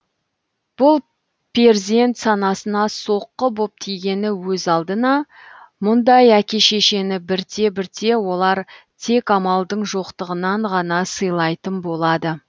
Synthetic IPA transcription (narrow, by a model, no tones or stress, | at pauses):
b̥ʊlˠ | pʲʰeɾzie̞nt̪sɑnɑsənɑso̞qːəbo̞p̚t̪ʰijɡʲe̞nɪwɵzɑlˠd̪ənɑ | mʊnd̪ɑjækʲe̞ʃe̞ʃe̞nɪbɪɾt̪ʰe̞bɪɾt̪ʰe̞wo̞lˠɑɾt̪ʰe̞kɑmɑlˠd̪əɴʒo̞qt̪əʁənɑɴʁɑnɑsəjlˠɑjt̪ənbo̞lˠɑd̪ə